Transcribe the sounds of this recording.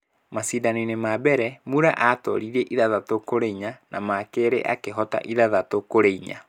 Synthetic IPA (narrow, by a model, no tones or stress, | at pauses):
masiːdaninemabɛɾɛmuɾaʔatɔ̰ɾiɾeʔiðaðatokoɾeiɲanamakeɾḛʔakeɦɔta̰ʔiðaðatokoɾeiɲa̰